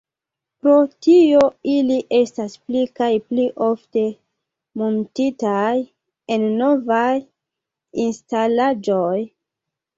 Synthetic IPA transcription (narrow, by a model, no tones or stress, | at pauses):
pɾo̞tio̞iliʔe̞stasplikajpliʔo̞fte̞ | montitaj | e̞nːo̞vaj | instalad͡ʒoj